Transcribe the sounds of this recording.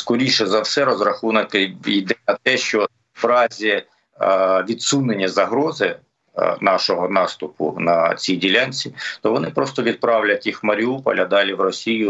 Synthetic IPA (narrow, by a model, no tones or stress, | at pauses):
skɔɾʲiʃɛzɐwsɛɾɔzɾɐxunɐkɪid̪ɛɐt̪ɛʃt͡ʃɔ | ʋɾɑzʲi | ʋʲid̪sunenʲːɐzɐɦɾɔzɪ | nɑʃɔɦɔnɑst̪ʊpʊ̰nɐ̰t͡sʲijdʲilʲanʲt͡sʲit̪ɔʋɔnɪpɾɔst̪ɔʋʲid̪̚pɾɑwlʲɐtʲixmɐɾʲiupɔ̰lʲɐd̪ɑlʲiwrɔsʲijʊ